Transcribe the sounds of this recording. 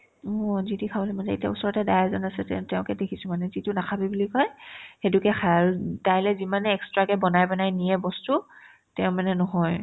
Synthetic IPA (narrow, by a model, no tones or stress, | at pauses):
ɔzitikʰabɔlimanɛitjabɔsɔɹɔtɛdajazɔnasɛtɛtɛʊ̃kɛdekʰisʊ̃manɛzitʊnakʰabibulikɔjxedukɛxʰajaɹutajlɛzimanɛɛkstɹakɛbɔnajbɔnajnijɛbɔstu | tɛʊ̃manɛnɔɦɔj